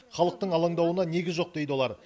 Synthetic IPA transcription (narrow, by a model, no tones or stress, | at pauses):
χɑlˠəq̚t̪əɴɑlˠɑɴd̪ɑwənɑne̞ɡʲɪzʒo̞q̚d̪̥e̞jd̪ɪwo̞lˠɑɾ